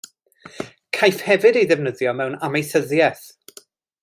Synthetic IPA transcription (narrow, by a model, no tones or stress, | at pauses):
kʰajfhɛvɨdejðɛvnəðjɔmɛwnamejθəðjɛθ